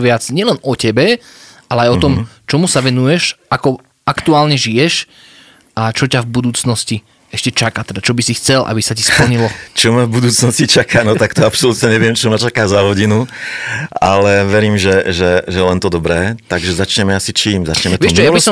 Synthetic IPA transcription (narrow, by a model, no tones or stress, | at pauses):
ʋɪat͡sɲɪɛlɛnɔcɛbɛ | ʔalɛajɔt̪ɔmt͡ʃɔmusaʋɛnujɛʃʔakɔ | akt̪uaːlɲɛʒijɛʃ | ʔat͡ʃɔcavbud̪uːt͡snɔsci | ɛʃcɛt͡ʃakat̪ɛd̪at͡ʃɔbisixt͡sɛlʔa̰bisacispl̩ɲilɔt͡ʃɔmavbud̪uːt͡snɔscit͡ʃakaːnɔt̪akt̪ɔapsɔlut̪ɲɛɲɛʋɪɛmt͡ʃɔmat͡ʃakaːzaɦɔɟinu | alɛʋɛɾiːmʒɛʒɛʒɛlɛnt̪ɔd̪ɔbɾɛːt̪aɡʒɛzat͡ʃɲɛmɛasit͡ʃiːmza̰t͡ʃɲɛmɛtʋ̪ɛʃjabisɔ